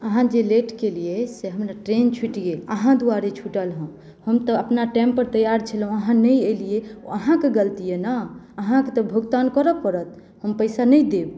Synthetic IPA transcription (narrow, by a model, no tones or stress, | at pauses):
əɦãd͡ʒeleʈkelijeseɦəmɾaʈɾent͡ʃʰiʈiɡeləɦãd̪uaɾet͡ʃʰuʈəlɦə̃ | həmt̪əəpnaʈɛ̃mpəɾt̪əjaɾt͡ʃʰəlɦũəɦãnəjelijeəɦãkeɡəlt̪ijena | əɦãket̪ɔbʱuɡt̪ankəɾəkːəɾət̪̚ | həmpəɪsanəjd̪eb